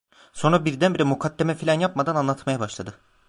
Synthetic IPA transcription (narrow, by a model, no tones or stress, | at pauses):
so̞nɾabiɾd̪ænbiɾɛmukʰad̪ːemɛfilʲanjapmad̪ananlˠat̪ʰmajabaʃlˠad̪ɯ